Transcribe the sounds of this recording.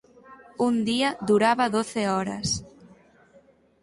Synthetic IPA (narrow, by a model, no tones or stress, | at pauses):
und̪iɐðuɾaβaðoθeɔɾɐ̰s